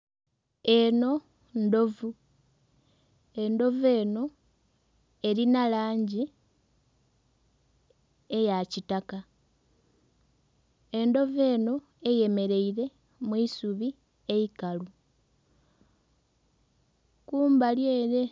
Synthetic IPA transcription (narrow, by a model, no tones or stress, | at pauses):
e̞no̞ | ndo̞vu | e̞ndo̞ve̞ːno̞ | e̞ɾinalaːɲɟi | ejacitaka | e̞ndo̞ve̞ːno̞ | e̞je̞me̞ɾe̞iɾe̞ | muisuβi | e̞ikalu | kuːmbaljeːɾe̞